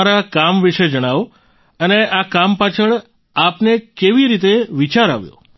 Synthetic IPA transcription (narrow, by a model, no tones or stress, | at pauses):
aɾakamʋiʃed͡ʒəɽ̃aʋ | əneʔakampat͡ʃʰəɭ | apnekeʋiɾit̪eʋit͡ʃaɾa̰ʋjo̰